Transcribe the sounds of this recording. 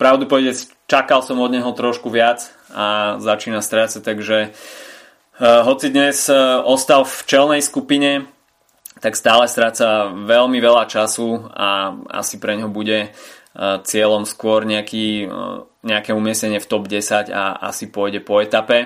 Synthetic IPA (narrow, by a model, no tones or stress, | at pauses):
pɾaʊd̪upɔʋɛɟɛs | t͡ʃakalsɔmɔd̪ɲɛɦɔt̪ɾɔʃkuʋɪat͡s | azat͡ʃiːnast̪ɾaːt͡sat̪aɡʒɛ | ɦɔt͡sid̪ɲɛzɔst̪alft͡ʃɛlnɛjskupiɲɛ | t̪akst̪aːlɛst̪ɾaːt͡saʋɛlmiʋɛʎat͡ʃasuaa̰sipɾɛɲɦɔbuɟɛ | t͡sɪɛlɔmskʊɔɾɲɛakiː | ɲɛakɛumɪɛsɛɲɪɛft̪ɔbɟɛsaɟa̰a̰sipʊɔjɟɛpɔɛt̪apɛ